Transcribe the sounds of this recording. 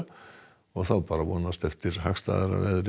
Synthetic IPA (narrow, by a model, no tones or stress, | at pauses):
ɔθawpɑːɾaʋɔnast̪ɛft̪ɪɾhakst̪ɑ̰ːðɛɾa̰ʋɛ̰ðɾ